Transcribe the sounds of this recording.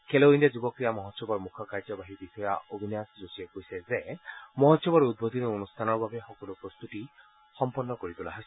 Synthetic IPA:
kʰeloind̪ad͡ʒubɔkɾijamɔɦɔt̪ʃɔbɔɾmukʰɔkaɾd͡ʒɔbaɦibisɔjaobʱinjasd͡ʒosiekojsezemɔɦɔt̪ʃɔbɔɾud̪̚bot̪inuonust̪ʰanɔɾbʱabexɔkɔlupɾɔst̪ut̪i | xɔmpɔnːɔkoɾit̪ula̰ɦa

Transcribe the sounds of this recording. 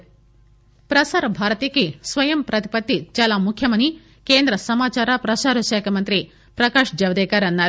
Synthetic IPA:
pɾɐsaːɾɐbʱaːɾɐt̪iːkisʋɐjɐmpɾɐt̪i̥pɐt̪ːit͡ʃaːlaːmukʰjɐmɐni | ke̞ːnd̪ɾɐsɐmaːt͡ʃaːɾapɾɐsaːɾɐʃɛːkʰɐmɐnt̪ɾi | pɾɐkaːʂd͡ʒɐʋd̪ɛːkaːɾɐnːaːɾu

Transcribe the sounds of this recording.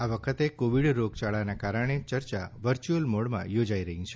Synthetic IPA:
aʋəkʰət̪ekoʋiɽɾoɡt͡ʃaɭanakaɾəɽ̃et͡ʃəɾt͡ʃa̰ʋəɾt͡ʃuəlmoɽmã̰jod͡ʒaiɾəɦĩt͡ʃʰe

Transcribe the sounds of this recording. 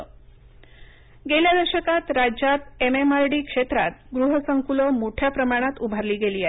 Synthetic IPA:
ɡeljad̪əɾɕəkat̪ɾad͡ʑjat̪ememaɾɖiːkʂet̪ɾa̰t̪̚ɡɾuɦəsəŋkuləmoʈʰjapɾəmaɽ̃at̪ubʱaɾliːɡeliːaɦ

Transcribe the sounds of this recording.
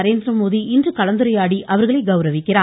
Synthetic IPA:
ɾeːnd̪ɾɐmoːðiɪndrɯkɐlɐnd̪ɯɾɐjaːɽiʔɐʋɐɾɣɐɭɐɪɡɐʊɾɐʋɪkːɪɾaː

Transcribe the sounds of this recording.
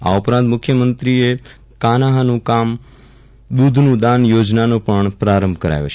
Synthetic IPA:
a̰upɾãnt̪mʊkʰjəmənt̪ɾie | kanaɦanũkam | ɗ̪ud̪ʱnũd̪anjod͡ʒnanõpəɳpɾaɾəmbʱkəɾa̰jo̰t͡ʃʰe

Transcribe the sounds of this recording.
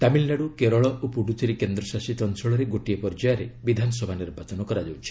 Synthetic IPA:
t̪amilnaɽukeɾɔɭɔʔopuɖutʰiɾekend̪ɾɔsasit̪ɔnsɔɭɔɾeɡoʈijepɔɾd͡ʒajaɾebid̪ʱanɔsɔbʱaniɾbʱat͡ʃɔnɔkɔɾad͡ʒawt͡ʃʰi̥

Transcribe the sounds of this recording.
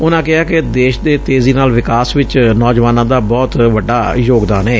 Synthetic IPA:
ʊnãːkɪɦaːked̪eːʃd̪eːt̪eːziːnaːlʋɪkaːsʋɪt͡ʃnɔːd͡ʒʋaːnãːd̪aːbɔːt̪ʋəɖːaːjoːɡd̪aːnɛː

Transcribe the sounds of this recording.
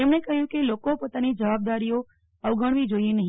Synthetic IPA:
emɳekəɦjũkelokopoːt̪anid͡ʒəʋab̚d̪aɾijo | əʋɡəɳ̃ʋid͡ʒoienəɦ

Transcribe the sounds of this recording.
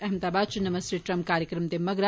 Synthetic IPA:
ɐɦmət̪aːbaːd̪̚t͡ʃʰunɐmɐst̪eʈɾɐmkaːɾjəkɾɐmt̪emɐɡɾa

